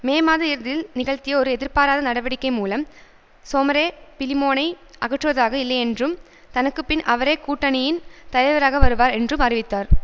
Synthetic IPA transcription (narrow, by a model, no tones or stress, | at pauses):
meːmaːðɐɪɾðɪlnɪɣɐɭt̪ɪjɐɔɾɯɛðɪɾpaːɾaːðɐnɐɽɐʋɐɽɪkːɐɪmuːlɐm | soːmɐɾeːpɪlɪmoːnɐɪ | ʔɐɣɐʈːrɯʋɐðaːɣɐɪlːɐɪɛndrɯm | t̪ɐnɐkːɯpːɪnʔɐʋɐɾeːkuːʈːɐnɪjɪnt̪ɐjɐɪʋɐɾaːɣɐʋɐɾɯʋaːɾɛndrɯmɐrɪʋɪt̪ːaːɾ